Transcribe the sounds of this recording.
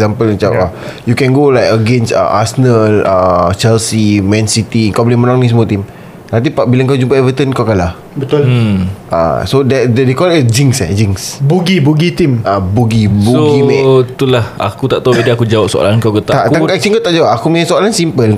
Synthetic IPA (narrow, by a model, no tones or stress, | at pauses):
zampəl̃t͡ʃawajukɛ̃nɡolajkəɡẽnsa̰ʔa̰sənəlat͡ʃɛlsimɛ̃nsit̪iŋkawblĩmənãŋnĩs̬əmot̪im | nãnt̪̬ipaʔbilaŋk̬awd͡ʒumpaɛvət̪ənkawkalah | bət̪ʊlʔa̰sodɛddekɔld͡ʒiŋsɛ̰d͡ʒiŋsbuɡibuɡit̪imabuɡibuoɡimɛ̃t̪ulaha̰kut̪aʔt̪aubedəakud͡ʒawap̚so̰a̰lankawkət̪ataʔt̪aɛk̚t͡ʃliŋkawt̪aʔd͡ʒawap̚akumesoalansimpəl